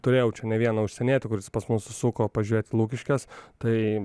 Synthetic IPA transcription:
t̪ʊɾʲeːjɛʊt͡ʃʲɛnʲɛʋʲiɛnɐʊʃʲsʲɛnʲeːt̪ʲɪkʊɾʲɪspɐsmʊssuːkoːpɐʒʲʊɾʲeːt̪ʲɪlˠuːkʲɪʃʲkʲɛst̪ɐɪ

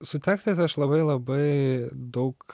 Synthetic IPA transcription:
sʊt̪ʲæːksʲt̪ɐɪsɐʃlˠɐbɐɪlˠɐbɐɪd̪ɐʊk

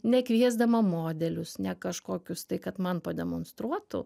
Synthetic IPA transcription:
nʲɛkʋʲiɛzd̪ɐmɐmoːd̪ʲɛlʲʊsnʲɛkɐʃkoːkʲʊst̪ɐɪkɐt̪mɐnpɐd̪ʲɛmonst̪ɾuɔt̪ʊ̰

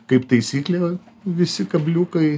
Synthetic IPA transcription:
kɐɪpt̪ɐɪsʲiːklʲeː | ʋʲɪsʲɪkɐbʲlʲuːkɐɪ

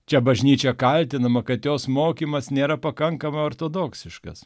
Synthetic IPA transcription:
t͡ʃʲɛbɐʒʲnʲiːt͡ʃʲɛkɐlʲt̪ʲɪnɐmɐkɐt̪joːsmoːkʲiːmɐsnʲeːɾɐpɐkɐŋkɐmɐɪoːɾt̪oːd̪oːksʲɪʃkɐ̰s

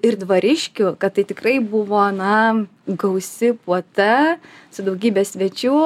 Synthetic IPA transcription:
ɪrd̪ʋɐɾʲɪʃʲkʲʊkɐtt̪ːɐɪt̪ʲɪkrɐɪbʊʋoːnɐ | ɡɐʊsʲɪpuɔt̪ɐsʊd̪ɐʊɡʲiːbʲeːssʲʋʲiɛt͡ʃʲuː

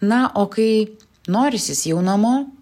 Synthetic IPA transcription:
nɐʔoːkɐɪ | noːɾʲɪsʲɪsjɛʊnɐmoː

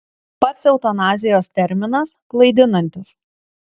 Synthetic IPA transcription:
pɐt̪sʲɛʊt̪ɐnɑːzʲɪjoːst̪ʲɛɾʲmʲɪnɐsklˠɐɪd̪ʲɪnɐnʲt̪ʲɪs

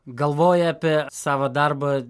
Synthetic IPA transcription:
ɡɐlˠʋoːjɛɐpʲɛsɑːʋɐd̪ɑɾbɐ

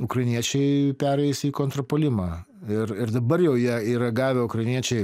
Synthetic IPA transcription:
ʊkɾɐɪnʲiɛt͡ʃʲɛɪpʲæːɾɛɪsiːkoːnt̪ɾopoːlʲɪmɑ | ɪrɪɾd̪ɐbɐɾjɛʊjiɛiːɾɐɡɑːʋʲɛʊkɾɐɪnʲiɛt͡ʃʲɛɪ

